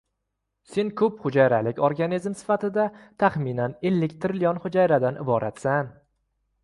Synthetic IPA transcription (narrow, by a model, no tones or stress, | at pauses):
se̞nkʰɵpχʊd͡ʒajɾalɪkʲɒɾɡanizmsɪ̥fat̪ɪd̪at̪ʰaχminanelːɪkʲt̪ʰɪɾɪlijɒnχʊd͡ʒajɾad̪anʔɪ̰bɒɾʔat̪san